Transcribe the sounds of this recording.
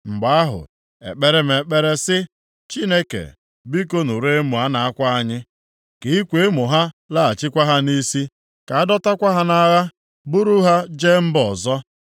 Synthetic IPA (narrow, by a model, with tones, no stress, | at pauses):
ŋ͡m̩˨ɡ͡ba˨a˦ɦʊ̰˨ | ḛ˨k͡pe˦ɾe˦m̩˨e˨k͡pe˦ɾe˦sɪ˦ | t͡ʃi˦ne˦kḛ˨ | bi˦ko˦nu˨ɾe˦mʊ˨a˦na˨a˦kʷa˦a˦ɲɪ˦ | ke˨i˦kʷe˨˦e˦mʊ˨ɦa˦la˦a˨t͡ʃɪ˦kʷa˦ɦa˦ni˦si˦ | ka˨a˦dɔ˦ta˦kʷa˦ɦa˦na˦ɣa˦ | bʊ˦ɾu˦ɦa˦d͡ʒe˦m̩˦bɔ˨zɔ˦